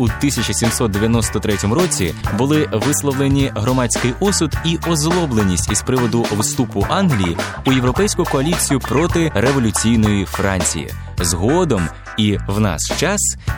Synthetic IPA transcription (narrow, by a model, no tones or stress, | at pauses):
ut̪ɪsʲɐt͡ʃɐsʲimsɔt̪̚d̪eʋʲjɐnɔst̪ɔt̪ɾɛtʲɔmʊɾɔt͡sʲḭbʊlˠɪʋɪslˠɔʋlˠenʲiɦɾɔmɑt͡sʲkɪjʔɔsʊd̪iʔɔzlˠɔblˠenʲisʲtʲispɾɪʋɔd̪ʊwst̪upʊʔɑnɦlʲiji | ʊjewɾɔpɛjsʲkʊkɔɐlʲit͡sʲijʊpɾɔt̪ɪɾe̞ʋɔlʲʊt͡sʲijnɔjifɾɑnʲt͡sʲḭjḭ | zɦɔd̪ɔm | iwnɑ̰st͡ʃɑs